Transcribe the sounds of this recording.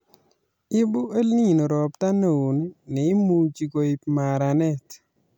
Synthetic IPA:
ɪ˦bʊ˦e˦lni˦˨no˨ɾɔ˨pta˦nə˨u˨n˦nɛ˨ɪ˦mu˦t͡ʃi˨ko˨i˨pma˨ɾa˨nɛ˦t

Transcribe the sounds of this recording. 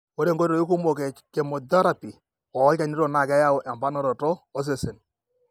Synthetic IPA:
wo˦ɾe˦˨ŋɡo˦ɾɾo˨i˦ku˦mo˨kɛ˨ke˨mɔ˨da˦ɾa˨pi˨ | ɔː˨˦a˨ni˦ɾɔ˦˨na˨kɛ˦ja˦ʊ˨ʔɛ˨mba˦nɔ˦˨ɾɔ˨tɔː˦s̬e˨se˨n

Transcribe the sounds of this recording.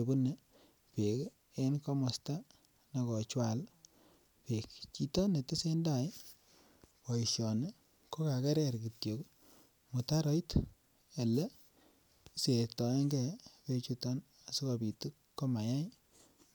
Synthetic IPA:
e˨bu˦ne˦ | pe˨k | e˦nko˦mɔ˨sta˦ | na˨kɔ˨t͡ʃwa˨l | pe˨kt͡ʃi˨to˦ne˨te˦se˦nda˦˨j | kɔ˨i˨ʃjɔ˨ne˦ | ko˦ka˨kɛ˦ɾɛ˦ɾki˨tjo˨k | mu˨ta˦ɾɔ˦it | e˨lɛ˦ | se˨tɔ˨ɛ˦ŋɡɛ˦pe˧t͡ʃu˦tɔ˦n | a˨si˦ko˨pi˨tu˦kːo˦ma˨ja˦j

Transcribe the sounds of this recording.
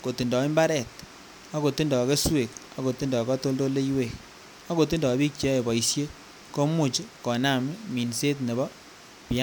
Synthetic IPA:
ko˨ti˨ndɔ˨e˦mba˦ɾɛ˨t | a˦ko˨ti˦ndɔ˨ke˦swe˨kɔ˦ko˨ti˦ndɔ˨kɔ˦to˦ldo˦le˦i˦we˨k | a˦ko˨ti˦ndɔ˨bi˦k̚t͡ʃe˦e˨bɔ˨i˨sje˦ | ko˦mu˨t͡ʃkɔ˨na˨m˦mi˨nse˦t̬ne˨βɔ˦ | pja˦

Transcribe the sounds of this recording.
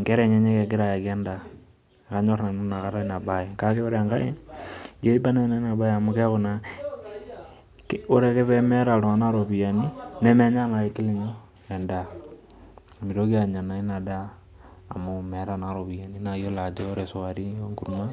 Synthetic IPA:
ŋɡɛ˦ɾɛ˨ɲɛ˦ɲɛ˦kɛ˨ɡɪ˦ɾa˨ja˨kɛ˦nda˨ | ka˨˦ɲɔ˦rna˨nʊ˦na˨ka˨ɾa˦na˨baɪ˨ka˦ke˦o˦ɾɛa˨ŋɡa˦ɪ˦ɡe˦i˦ba˦na˦na˦na˨ba˦ja˨mʊ˦ka˦kʊna˨ | ko˦ɾe˨kɛ˦pɛ˦mɛ˦ɾa˨ltʊ˨ŋa˨na˦ɾo˨bi˨ja˨ni˦nɛ˦mɛ˦ɲa˦ŋa˨i˦tɪ˦le˦ɲo˦ | ɛ˨nda˨ | mi˨ɾo˦ki˦a˨ɲa˨na˨˦ɪ˦na˨da̰ː˦˨ | mʊ˨mɛ˨ɾa˨na˨ɾo˨pi˨ja˨ni˦na˨jo˦la˨d͡ʒe˦ɾe˨sʊ˨wa˨ɾi˦o˦ŋɡu˨rma˦

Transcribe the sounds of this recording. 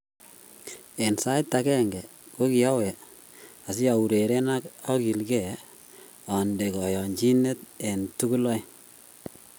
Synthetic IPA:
e˨nsa˦ɪtːa˨kɛ˦ŋɡɛ˨ | ko˦ki˨a˦wɛ˨ | a˨s̬i˦a˨u˨ɾe˨ɾe˦na˦ka˦ki˨lɡɛ˦˨ | ɔ˨nde˨kɔ˨jɔ˨nt͡ʃi˦ne˦te˨ntu˦ku˦lɔ˦j

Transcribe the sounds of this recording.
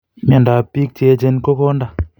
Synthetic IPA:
ma˨nda˨pi˦k̚te˦d͡ʒe˦nko˦ko˦nda˨

